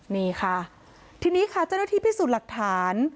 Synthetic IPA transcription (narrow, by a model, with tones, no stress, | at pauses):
niː˧˩kʰa˥˩ | t̪ʰiː˧niː˦˥kʰa˥˩t͡ɕa˥˩wnaː˥t̪ʰiː˥˩pʰiː˥˩suː˨˩t̪̚la˨˩k̚t̪ʰaː˩˦n